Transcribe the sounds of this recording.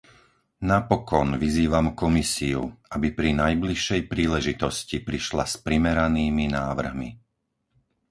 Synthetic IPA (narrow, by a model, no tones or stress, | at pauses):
napɔkɔnʋiziːʋamkɔmisiṵʔabipɾinajbliʃːɛjpɾiːlɛʒit̪ɔscipɾiʃla̰spɾimɛɾaniːminaːʋr̩ɦmḭ